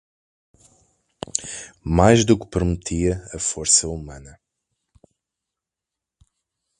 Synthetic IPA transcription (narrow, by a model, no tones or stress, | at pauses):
majzd̪ukpɨɾmɨt̪ʰiɐɐfoɾsɐumɐ̃nɐ